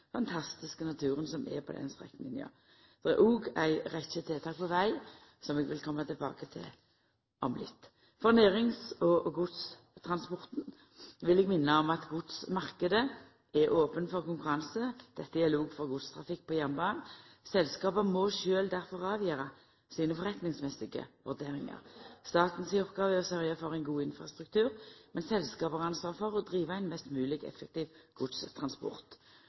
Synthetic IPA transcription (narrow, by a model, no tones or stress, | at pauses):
fɑnt̪ʰɑst̪ɪskənɑt̪ʰʉːʁənsɔmɛ̰pʰɔ̰d̪ɛ̰nst̪ʁɛ̰kn̩ɪnɪɑ̰ | d̪ɛɛ̰ʔuːɡæɪʁɛçət̪ʰeːt̪ʰɑːk̚pʰɔʋæɪ | sɔmɛɡʋɪlkʰɔmːət̪ʰɪlbɑ̰ːkət̪ʰɪ̰l | ʔɔmlɪt̪ː | fɔʁneːɾɪŋsɔɡʊd̪s | t̪ʰʁɑnspɔʁt̪n̩ | ʋɪlɛɡmɪnːəɔmɑt̪ɡʊd̪smɑʁkəd̪ə | ɛɾʔoːpənfɔʁkʊŋkʉɾɑnsəd̪̥ɛt̪ːəæluːɡfɔʁɡʊd̪st̪ʰʁɑfɪk̚ːpɔjæʁnbɑːnsɛlskɑːbəmɔʃøːld̪æʁfɔʁɑːʋjøːʁɑ | siːnəfɔʁɛt̪nɪŋsmɛsɪɡə̰ʋʉʁd̪eːʁɪŋə̰ʁst̪ɑːt̪n̩siːɔpɡɑːʋəɔsœʁjəfɔʁɛɪnɡuːɪnfʁɑst̪ʁʉkt̪ʰʉːʁmɛnsɛlskɑːpəʁɑnsʋɑːʁfɔʁɔd̪ʁiːʋəɛɪnmɛst̪mʉːlɪɡɛ̰fːɛk̚t̪iːʋɡ̥ʊd̪st̪ʰʁɑnspɔ̰ʁt̪